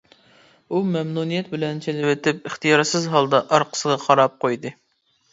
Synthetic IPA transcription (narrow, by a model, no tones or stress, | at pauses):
umɛmnunijɛt̪bɪlɛnt͡ʃʰelɪwɪt̪ɪpɪχt̪ijɑɾsɪzɦɑlˠd̪ɑʔɑɾqʰə̥səʁɑqʰɑɾɑp̚qojd̪ɨ